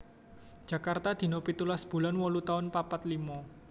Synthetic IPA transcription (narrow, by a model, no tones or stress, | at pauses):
d͡ʒ̥ä̤kart̪ad̪̥i̤nɔpit̪ulasb̥ṳlanwɔlut̪aʊnpapat̪limɔ